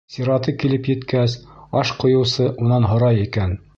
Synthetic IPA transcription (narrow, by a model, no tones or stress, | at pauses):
siɾɑt̪ɤkilɘpjɘ̆t̪kæsɑʃqŏjɤ̆wsɤʔunɑnɦŏɾɑjikæn